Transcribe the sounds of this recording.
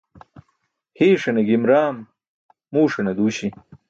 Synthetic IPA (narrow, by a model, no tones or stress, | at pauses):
hiːʂɐneɡimɾaːmː | uːʂɐnɐd̪uːɕi